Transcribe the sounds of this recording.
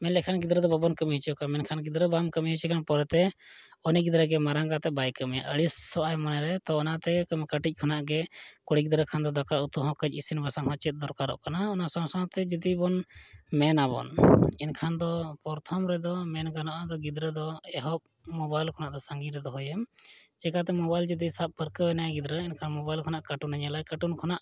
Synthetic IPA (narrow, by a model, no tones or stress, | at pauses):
mɛnlɛkʰanɡid̪ɾəd̪ɔbabɔnkəmiɦit͡ʃɔʔkamɛnkʰanɡid̪ɾəbamkəmiɦit͡ʃɛkʰanpɔɾɛt̪ɛ | ɔniɡid̪ɾəɡɛmaɾaŋɡat̪ɛbajkəmija̰ʔəɽisːɔʔajmanɛɾɛt̪ɔɔnat̪ɛkəmɛkəʈic̚ˀkʰɔnaʔɡɛkɔɽiɡid̪ɾəkʰand̪ɔd̪ɔkaut̪uɦɔ̃kəd͡ʒisinbasaŋɦɔ̃t͡ʃɛt̪̚ˀd̪ɔɾkaɾɔ̰ʔkanaɔnasãwsaw̃t̪ɛd͡ʒud̪ibɔnmɛnabɔ̰ninkʰand̪ɔpɔɾt̪ʰɔmɾɛd̪ɔmɛnɡanɔʔad̪ɔɡid̪ɾəd̪ɔɛɦɔp̚ | mɔbajlkʰɔnaʔd̪ɔsaŋɡiɾɛd̪ɔɦɔjɛmt͡ʃɛkat̪̬ɛmɔbajld͡ʒud̪isap̚pəɾkəwɛnajɡid̪ɾəinkʰanmɔbajlkʰɔnaʔkaʈunaɲɛlajkaʈunkʰɔnaʔ